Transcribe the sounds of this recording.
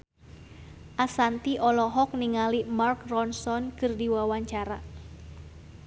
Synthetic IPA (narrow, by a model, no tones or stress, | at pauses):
ʔasant̪iʔɔlɔɦɔk̚niŋalimarkrɔnsɔnkɨrdiwawaɲt͡ʃaɾa